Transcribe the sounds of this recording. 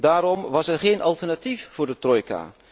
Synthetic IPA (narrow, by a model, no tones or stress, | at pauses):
daːɾɔmʋɑsɛɹχejnʔɑlˠtɛɹnatifv̥ʊːɹdətrɔjka̰ː